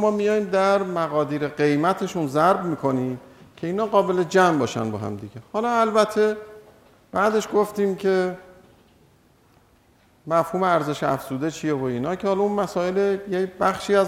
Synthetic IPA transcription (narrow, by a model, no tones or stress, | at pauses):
mɒːmijɒːjimd̪æɾmæɣɒːd̪iːɾeɢe̞jmæt̪ʰe̞ʃunzæɾbmiːkʰo̞nimcʰe̞iːnhɒːɣɒːbe̞le̞d͡ʒæmbɒːʃæ̰nbɒːɦæ̰md̪iɟehɒːlɒːælbæt̪ʰːe̞ | b̥æːd̪e̞ʃɡo̞ft̪iːmcʰe̞ | mæfhuːmeæɾze̞ʃeæ̰fz̥uːd̪e̞t͡ʃʰijevoiːnɒːcʰehɒlɒunmæsɒːe̞lejebæxʃiːæz